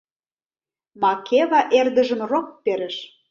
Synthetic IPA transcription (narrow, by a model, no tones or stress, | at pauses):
mɑkʰeβɑʔerd̪ə̆ʒə̆mrok̚peɾə̆ʃ